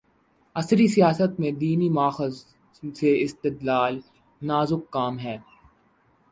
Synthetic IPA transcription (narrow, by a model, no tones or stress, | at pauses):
ɐsɾisijaːsət̪mẽd̪iːnimʊaːxəz | seɪst̪ɪd̪laːl | naːzʊkːaːmɦɛː